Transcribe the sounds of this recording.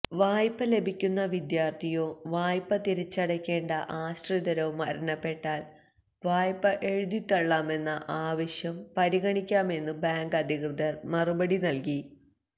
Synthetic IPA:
ʋaːjpːɐle̞bʱikʲːunːɐʋid̪jaːrt̪ʰijo̞ːʋaːjpːɐt̪iɾit͡ɕːɐɽɐkʲːe̞ːɳɖɐʔaːɕʈriðɐɾoːmɐɾɐɳɐpːe̞ʈːaːl | ʋaːjpːɐʔe̞ɻuðit̪ːɐɭːaːme̞nːɐʔaːʋɐɕjɐmpɐɾiɣɐɳikʲːaːme̞nːɨbaːŋɡɐd̪ʱikrɨðɐrmɐrubɐɽinɐlki

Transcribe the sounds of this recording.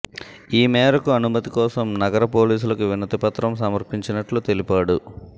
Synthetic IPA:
iːmɛːɾɐkuɐnumɐt̪ikɔːsɐmnɐɡɐɾɐpo̞ːliːs̬ulɐkuʋinːɐt̪ipɐt̪ɾɐmsɐmɐɾpiɲt͡ʃinɐʈlut̪e̞lipaːɽu

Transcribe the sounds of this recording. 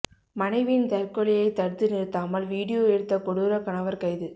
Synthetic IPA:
mɐnɐɪʋɪnt̪ɐɾkɔɭɪjɐɪt̪ːɐɽɯt̪ːɯnɪɾɯt̪ːaːmɐlʋiːɽɪjoːɛɽɯt̪ːɐkɔɽɯɾɐkɐɳɐʋɐɾkɐɪðɯ

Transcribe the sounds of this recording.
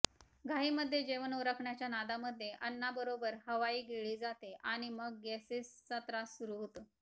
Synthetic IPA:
ɡʱaɦiːməd̪ʱːjed͡ʑeʋənuɾəkʰɳjat͡ɕjanad̪aməd̪ʱːjeʔənːabəɾobəɾɦəʋaiːɡeɭiːd͡zat̪eʔaɽ̃iməɡːɛsesːət̪ɾasuɾuɦot̪ə

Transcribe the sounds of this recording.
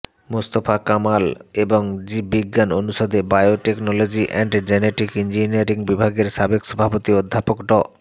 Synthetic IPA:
must̪ofakamaleboŋd͡ʑibiɡːanonuʃod̪ebajoʈeknolod͡ʑiʔɛɳɖd͡ʑeneʈikind͡ʑiniaɾiŋbibʱaɡeɾʃabekʃɔbʱapot̪iod̪ʱːapokɖɔ

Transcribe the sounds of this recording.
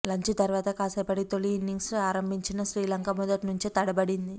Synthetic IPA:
lɐɲt͡ʃut̪ɐɾuʋaːt̪ɐkaːsɐpɐɽit̪oliinːiŋɡsaːɾɐmbʱiɲt͡ʃinɐʃɾiːlɐŋkɐmɔd̪ɐʈnuɲt͡ʃet̪ɐɽɐbɐɽind̪i

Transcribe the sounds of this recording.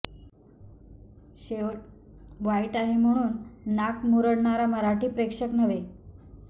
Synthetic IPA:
ɕeʋ | ʋaiʈaɦem̤əɽ̃uːnːakmuɾəɽɳaɾaməɾaʈiːpɾekʂəknəʋe

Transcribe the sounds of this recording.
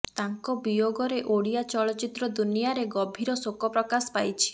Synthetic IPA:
t̪aŋkɔbijoɡɔɾeʔoɽijat͡ʃɔɭɔt͡ʃit̪ɾɔd̪unijaɾeɡɔbʱiɾɔsokɔpɾɔkasɔ̥pajt͡ʃʰi̥

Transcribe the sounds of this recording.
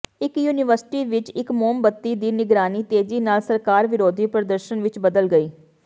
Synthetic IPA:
ɪkjuːnɪʋəɾsɪ̥ʈiːʋɪt͡ʃɪkmoːmbət̪ːiːd̪iːnɪɡɾaːniːt̪eːd͡ʒiːnaːlsəɾkaːɾʋɪɾoːd̪ʱiːpɾəd̪əɾʃənʋɪt͡ʃbəd̪əlɡəiː

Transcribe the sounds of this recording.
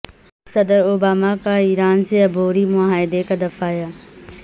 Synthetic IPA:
sɐd̪əɾoːbaːmakaiːɾaːnseɐbʱoːɾimʊaːɦɪd̪ekad̪ɐfaːjaː

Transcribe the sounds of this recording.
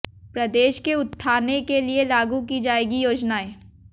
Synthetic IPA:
pɾɐd̪eːʃkeʊt̪ʰːaːnekelielaːɡukid͡ʒaːeːɡijoːd͡ʒnaeː

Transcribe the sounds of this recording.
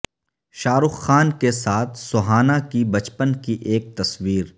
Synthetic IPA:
ʃaːɾʊxːaːnkesaːt̪ʰsʊɦaːnakibɐt͡ʃpənkiʔeːk̚t̪ɐsʋiːɾ

